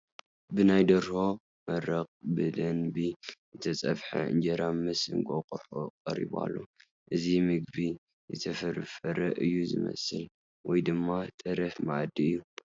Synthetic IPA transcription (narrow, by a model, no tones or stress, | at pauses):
bɨnajd̪ɐɾho̞ | mɐɾɐqʼbɨd̪ɐnbijɨt̪ʰɐt͡sʼɐβħa̰ɨnd͡ʒɐɾamɨsɨ̰ŋkʼoqʼuħoqʼɐɾḭba̰lːo̰ | ʔɨzimɨɡ̚bi | jɨt̪ʰɐfɐɾfɐɾɐʔɨjːuzɨmɐ̰sɨl | wɔjd̪ɨmːat̪ʼɨɾɐfmaʕd̪iɨjːu